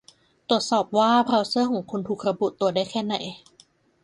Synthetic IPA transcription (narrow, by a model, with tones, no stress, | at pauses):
t̪u˨˩ət̪̚sɔː˨˩p̚waː˥˩pʰɾa˧wsɯ˥˩kʰɔː˩˦ŋkʰu˧nt̪ʰuː˨˩k̚ɾa˧bu˨˩ʔt̪u˧ɐdaː˥˩jkʰɛː˥˩na˨˩˦j